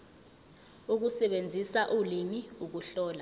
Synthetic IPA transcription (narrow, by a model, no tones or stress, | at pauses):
uk̬usɛɓend͡zʱisaʔulimiuk̬uɬɔːla